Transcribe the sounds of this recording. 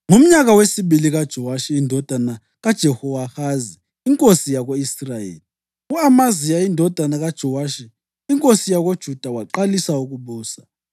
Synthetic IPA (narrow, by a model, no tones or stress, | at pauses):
ŋum̩ɲaɣawesiβiliɣad̥ʒ̥ʱɔwaʃiːndʱɔd̥ʱana | ɣad̥ʒ̥ʱɛhɔwahaziː | ŋkʼosijaɣoisrajḛːli | uamazijaindʱɔd̥ʱanaɣad̥ʒ̥ʱɔwaʃiː | ŋkʼosijaɣod̥ʒ̥ʱud̥ʱawaǃalisauɣuβuːsa